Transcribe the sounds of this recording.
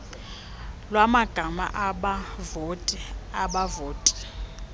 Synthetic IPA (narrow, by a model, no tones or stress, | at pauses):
lwamaɡ̥ʱama̰ʔaɓavotʼiaɓavoːtʼi̥